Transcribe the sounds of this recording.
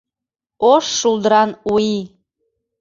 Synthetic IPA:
oʃːulˠd̪əɾɑnui

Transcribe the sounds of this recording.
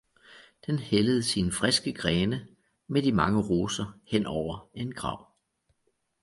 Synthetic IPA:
d̥enheləð̞̩ˠsinfʁɛsɡ̥əɡ̥ʁɛːnə | med̥imɑ̈ŋəʁo̝ːsɐhen̰ɒʊ̰ɐe̝nɡ̥ʁɑ̰̈ʊ̰

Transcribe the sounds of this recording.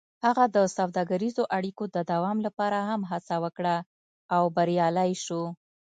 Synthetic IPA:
haɣad̪əsawd̪ɑɡaɾizoʔaɽikod̪əd̪awɑmlapɑɾaɦamɦat͡sawəkɽa | awbaɾjɑlajʃo

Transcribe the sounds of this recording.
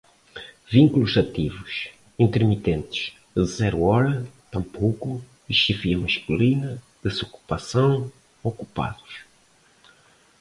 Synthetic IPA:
vĩŋkuluzɐt̪ivuʃ | ĩnt̪eɾmit̪ẽnt̪ɨ̥ʃ | ɨzɛɾuɔɾɐt̪ɐ̃mpowku | iʃeviɐmɐʃkulinɐ | d̪̥ɨsoku̥pɐsɐ̃w̃ | oku̥pa̰ðuʃ

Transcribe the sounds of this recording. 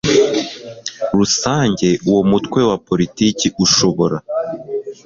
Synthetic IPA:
ɾusaːɲɟe̞uwomutkwe̞wapo̞ɾitiːciʔuʃo̞βo̞ɾa

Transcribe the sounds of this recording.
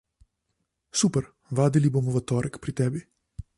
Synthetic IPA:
suːpɛɾ | ʋaːd̪ilibomɔʋɐt̪ɔːɾɛkpɾit̪ɛːbi

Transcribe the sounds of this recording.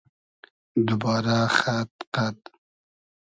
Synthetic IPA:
d̪ubɑːɾaxat̪̚qat̪

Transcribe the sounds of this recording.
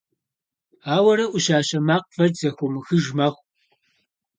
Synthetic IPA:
aːwɐɾɐʔʷʊɕaːɕɐmaːqfɐrzɐxʷʊmxɨʒmɐχʷ

